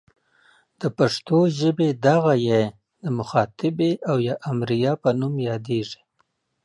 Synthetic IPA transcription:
d̪̥əpaʂt̪oʒəbed̪aɣaje | d̪əmʊxɑt̪ɪbeʔawjɑʔamɾijɑpənumjɑd̪eʐi̥

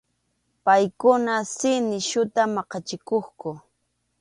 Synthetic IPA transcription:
pajkʊnasɪnɪʃʊt̪amɑqɑt͡ʃɪkoχkʊ

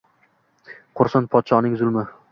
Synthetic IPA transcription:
qʰʊɾsanpʰɒt̪ʃɒnɪŋzʊlˠmɪ

